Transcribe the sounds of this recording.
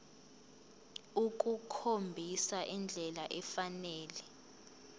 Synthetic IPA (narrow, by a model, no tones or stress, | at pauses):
uk̬ʼukʰombʱisaʔind͡ɮʱɛlaʔɛfanɛːlɛ